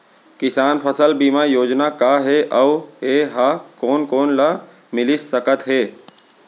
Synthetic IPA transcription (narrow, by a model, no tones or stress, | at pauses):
kɪsaːnpʰəsəlbiːmajoːd͡ʒnakaɦeʔaeɦakoːnkoːnla | mɪlisəkət̪ɦeː